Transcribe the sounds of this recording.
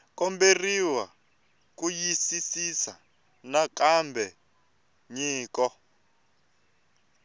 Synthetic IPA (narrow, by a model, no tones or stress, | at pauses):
kɔmberiwa | kujisisisa | nakambʱɛ | ɲiːkɔ